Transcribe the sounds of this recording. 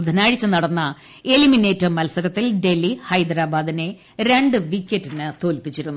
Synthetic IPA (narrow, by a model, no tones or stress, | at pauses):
d̪ʱːɐnaːɻit͡ɕːɨnɐɽɐnːɐ | elimine̞ːtːɐmɐlsɐɾɐt̪ːilɖe̞lːihɐjd̪ɾaːbaːd̪ine̞ | ɾe̞ɳɖɨʋikʲːetːinɨt̪o̞ːlpit͡ɕːiɾunːu